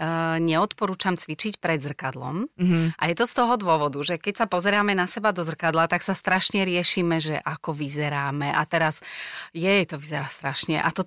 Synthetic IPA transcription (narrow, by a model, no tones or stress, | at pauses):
ɲɛɔt̪pɔɾuːt͡ʃamt͡sʋit͡ʃicpɾɛd̪zr̩kad̪lɔ̰mʔa̰jɛt̪ɔst̪ɔɦɔd̪ʊɔʋɔd̪uʒɛkɛcsapɔzɛɾaːmɛnasɛbad̪ɔzr̩kad̪lat̪aksast̪ɾaʃɲɛɾɪɛʃiːmɛʒɛ̰ʔakɔʋizɛɾaːmɛʔat̪ɛɾasjɛjt̪ɔʋizɛɾaːst̪ɾaʃɲɛ̰ʔat̪ɔ